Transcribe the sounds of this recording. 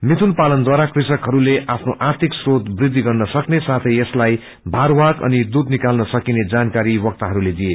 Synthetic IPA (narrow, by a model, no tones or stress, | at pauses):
mit̪ʰunpalʌnd̪waɾakrisʌkɦʌɾuleʔapʰnoʔart̪ʰiksrot̪brid̪ʱːiɡʌrnʌsʌknesat̪ʰʌjeslaj | bʱaɾwakʌ̰nid̪ud̪nikalnʌsʌkined͡zankaɾiwʌk̚t̪aɦʌɾuled̪ije